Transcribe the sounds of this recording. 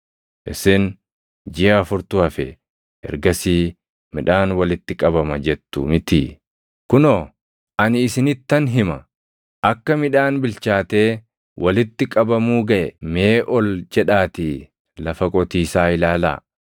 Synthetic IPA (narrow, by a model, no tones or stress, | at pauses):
ʔɪsɪn | d͡ʒɪjɐːfʊɾt̪ʊɐfɛ̰ | ɛ̰ɾɡɐsiː | mɪᶑaːnwɐlɪt̪ːɪkʼɐbɐmɐd͡ʒɛt̪ːʊ̰mɪt̪iː | kʊnoː | ʔɐnɪːsɪnɪt̪ːɐnɦɪmɐ | ʔɐkːɐmɪᶑaːnbɪlt͡ʃaːt̪e̞ː | wʔɐlɪt̪ːɪkʼɐbɐmuːɡɐʔɛme̞ːʔɔld͡ʒɛᶑaːt̪i | lɐfɐkʼɔt̪iːsaːɪlaːla̰ː